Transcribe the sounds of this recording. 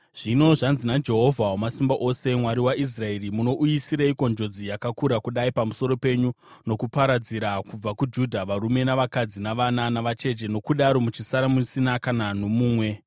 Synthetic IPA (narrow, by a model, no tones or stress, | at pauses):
ʐ̥ino̞ʐanzinad͡ʒe̞ɦo̞vʱawamasimbaʔo̞se̞mwaɾiwaʔis̬rae̞rimuno̞ʔujisiɾaiko̞nd͡ʒo̞d͡zijakakuɾakuɗaipamuso̞ɾo̞pe̞ɲu | no̞kupaɾad͡ziɾakub͡vakud͡ʒudʱaʋaɾume̞naʋakad͡zinaʋananaʋat͡ʃe̞d͡ʒe̞no̞kuɗaɾo̞mut͡ʃisaɾamusinakananomuːmwe̞